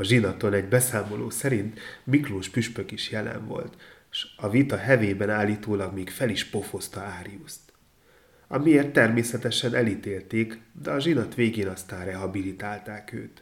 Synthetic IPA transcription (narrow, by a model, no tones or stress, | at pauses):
ɒʒinɒt̪o̞nɛɟbɛsaːmo̞lo̰ːsɛɾint̪mikloːʃpyʃpø̞kiʃjɛlɛ̰ɱvo̞̰lt̪ | ʃɒvit̪ɒɦɛveːbɛnaːlːiːt̪oːlɒɡmeːkfɛliʃpo̞fo̞st̪ɒaːɾiust̪ | ɒmieːrt̪ːɛrmeːsɛt̪ɛʃɛnɛlit̪eːlt̪eːkd̪ɛɒʒinɒt̪ʋeːɡeːnɒst̪aːnrɛɦɒbilit̪aːlt̪aːkø̰ːt̪